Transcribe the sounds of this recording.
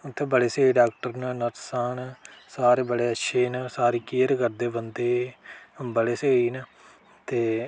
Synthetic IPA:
t̪ʰːẽːbəɽeːseːiːɖaːkʈəɾnnəɾsaːnsaːɾeːbəɽeːətːʃʰeːnəsaːɾiːkiːəɾkəɾd̪eːbənd̪eː | bəɽeːseːiːnə | t̪eː

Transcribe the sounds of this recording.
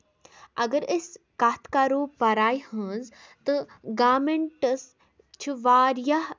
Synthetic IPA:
ɐɡəɾɪskaːt̪ʰkaːɾoːpɐɾaːjhəz | t̪ɨɡaːmeɳʈəs | t͡ʃʰiʋaːɾjaɦ

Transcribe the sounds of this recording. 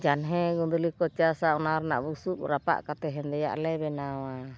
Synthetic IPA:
d͡ʒanɦɛɡund̪ulikɔt͡ʃiasaunarna̰ʔbusuʔrapa̰ʔkat̪ɛɦɛnd̪ɛja̰ʔlɛbɛnawa

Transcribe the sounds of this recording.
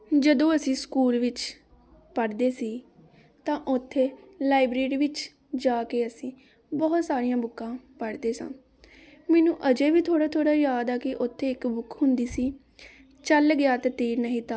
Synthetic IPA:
d͡ʒəd̪õːəsĩːskuːlʋɪt͡ʃ | pəɽd̪eːsiː | t̪ãːʔʊt̪ʰːeːlaːɪbɾeːɾiːʋɪt͡ʃ | d͡ʒaːkeːəsĩː | bɔːt̪saːɾɪjãːbʊkːãːpəɽd̪eːsã̰ː | mɛːnũːʔəd͡ʒeːʋiːt̪ʰoːɽaːt̪ʰoːɽaːjaːd̪aːkɪʔʊt̪ʰːeːɪkbʊkɦʊnd̪iːsiː | t͡ʃəlɡɪjaːt̪eːt̪iːɾnəɦĩːt̪aː

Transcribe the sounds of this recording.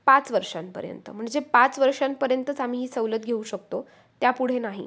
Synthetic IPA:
pat͡sʋəɾʂanpə̰ɾjə̰nt̪ə̰m̤əɳd͡zepat͡sʋəɾʂanpəɾjənt̪ət͡sam̤iːɦiːsəʋlət̪ɡʱeuɕək̚t̪o | t̪japuɽ̤enaɦḭ

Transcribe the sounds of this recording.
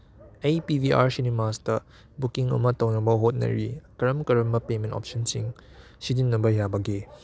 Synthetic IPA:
ejpibiʔa̰ɾsinemastɐ | bukiŋɐ̰mɐtɐwnɐbɐɦot̚nɐ̰ɾikɐɾɐmkɐɾɐmɐpemẽntɔ̰p̚sɐnsiŋ | sidinːɐbɐɦjabɐɡe

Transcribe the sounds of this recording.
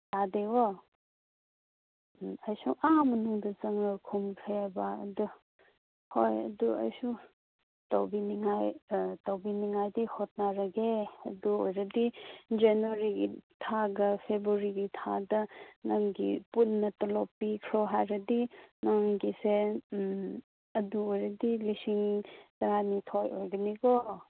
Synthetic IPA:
dadewo | ɐjsuʔamɐnuŋdɐzɐŋɐkʰumpʰebaɐ̰du | hojɐ̰duɐ̰jsu | tɐ̰wbiniŋajtɐwbiniŋajdihot̚naɾɐɡeɐduojɾɐdid͡ʒenoɾiɡitʰaɡɐpʰebɾuɾiɡitʰadɐnɐŋɡipunːɐtɐlopːikʰɾoɦajɾɐdinɐŋɡise | ɐduojɾɐdilisiŋtɐɾanitʰojʔojɡɐniko

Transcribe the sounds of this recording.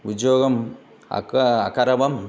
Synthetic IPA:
ud͡ʒjoːɡɐm | ɐ̰ɐ̰kɐɾɐbɐm

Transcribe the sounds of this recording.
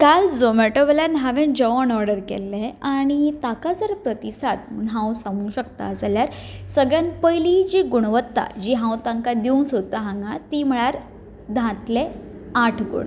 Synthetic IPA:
kald͡zomeʈoʋljanɦaʋẽnd͡ʑɔɔnɔɾɖəɾkɛ̰lːeaɽ̃it̪akad͡zəɾpɾət̪isat̪mɳɦãwsamuɕək̚t̪a̰d͡zaljaɾsəɡɭjãnpəjlid͡ʑiɡuɽ̃ʋət̪ːa̰d͡ʑiɦãwt̪ãŋkad̪iuŋsot̪aɦãŋɡat̪im̤əɭ̃aɾ | d̪ʱãt̪le | aʈʰɡṵɳ

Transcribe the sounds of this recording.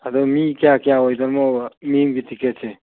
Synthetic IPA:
ad̪ɔmikijakijaojd̪aɾmɔmimɡitiketse

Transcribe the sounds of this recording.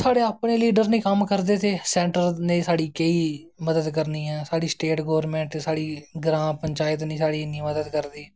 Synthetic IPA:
saːɽeːaːpneːliːɖəɾnẽːkəmkəɾd̪eːt̪ʰeːsɛ̃ːɳʈəɾnẽːsaːɽiːkeiː | məd̪əd̪kəɾniːɦɛːsaːɽiːsʈeːʈɡoːʋəɾmẽːɳʈːsaːɽiːɡɾãːpəɲt͡ʃaːjɪt̪nĩːsaːɽiːnĩːməd̪əd̪kəɾd̪iː

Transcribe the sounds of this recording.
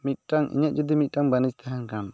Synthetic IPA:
mit̪̚ʈaŋʔḭɲɛʔ̚d͡ʒɔd̪imit̪̚ʈaŋbanist̪ʰɛɦɛnkam

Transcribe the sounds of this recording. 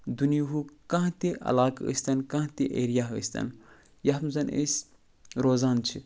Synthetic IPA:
d̪unjiɦukãɦt̪iʔɐ̰laːkə̰sʲt̪ɐnkãt̪iʔeːɾijaɦə̰sʲt̪ɐ̰n | jaɦmzɐnʔḛsʲ | ɾoːzaːnt͡ʃʰi

